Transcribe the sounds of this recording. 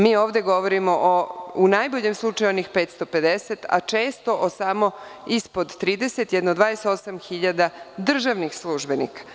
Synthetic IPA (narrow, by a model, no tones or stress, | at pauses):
miːo̞ːʋd̪e̞ɡo̞ʋo̞ɾimo̞ʔounajboʎemslˠut͡ʃajuonixpeːt̪st̪o̞pe̞d̪e̞set̪a̰t͡ʃe̞ːst̪o̞ʔosamo̞ispo̞d̪t̪ːɾiːd̪e̞set̪jed̪nod̪ʋaːd̪eset̪o̞samxiʎad̪ad̪r̩ʒaʋnixslˠuʒbe̞nḭkḁ